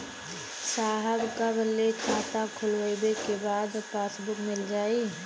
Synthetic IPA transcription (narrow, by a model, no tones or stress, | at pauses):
saːɦəbkabəlːekʰaːt̪akʰʊlʋəjbekebaːd̪paːsbʊkmɪld͡ʒaːi